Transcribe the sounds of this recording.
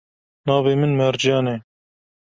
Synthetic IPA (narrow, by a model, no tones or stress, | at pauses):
nɑːveːmɨnmɛɾd͡ʒjɑːneː